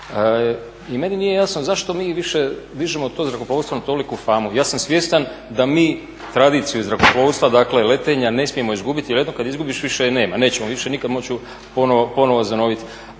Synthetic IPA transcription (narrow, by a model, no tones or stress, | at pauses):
ime̞ninije̞jasnozaʃt̪o̞miːʋiʃe̞d̪iʒemot̪ozɾakoploːst̪ʋanat̪o̞likufaːmujaːsamsʋje̞st̪and̪amiː | t̪ɾad̪iːt̪sijuzɾakoplˠoːʋst̪ʋad̪akle̞le̞t̪e̞ɲane̞smije̞mo̞izɡubit̪jeled̪nokad̪izɡubiʃʋiʃene̞ːmane̞ːt͡ɕemoʋiʃe̞nikad̪mo̞t͡ɕu | ponoopo̞noʋozano̞ʋit̪